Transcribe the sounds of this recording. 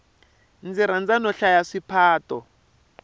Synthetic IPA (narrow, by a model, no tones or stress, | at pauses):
nd͡ziɾand͡zanɔɬajaʂipʰaːtɔ